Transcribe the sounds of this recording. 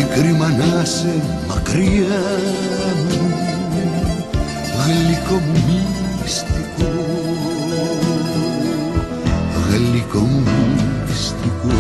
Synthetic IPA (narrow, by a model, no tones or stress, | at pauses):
ikɾimanase | ma̰kɾia | nu | ɣelikomumi | st̪iko | ɣelikomumist̪iko